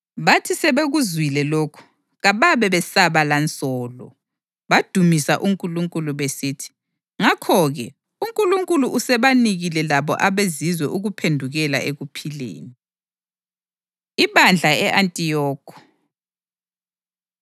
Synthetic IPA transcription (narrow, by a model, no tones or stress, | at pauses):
βatʰisɛβeɣuzwilɛloːkʰu̥ | ɣaβaβɛβɛsaβalant͡sʼɔːlɔ̰ | βad̥ʱumisaʔuŋkʼuluŋkʼuluβesiːtʰi̥ | ŋakʰɔɣɛ | uŋkʼuluŋkʼuluʔusɛβaniɣilɛlaβɔ̰ʔaβezizwɛʔuɣupʰendʱuɣɛla̰ʔeɣupʰilḛːni | iβand͡ɮʱaɛʔantʼijɔːkʰɔ̥